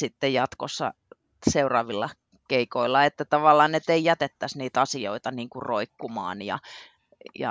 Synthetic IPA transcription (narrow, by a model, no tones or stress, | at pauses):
sit̪ːejjɑt̪kosːɑ̰ | seurɑːʋilːɑ | keikoilːɑet̪ːæt̪ɑʋɑlˑːɑːnet̪eijæt̪et̪ːæsniːt̪ɑsio̰it̪ɑniːŋkurroikːumɑ̰ːnjɑ̰ | jɑ̰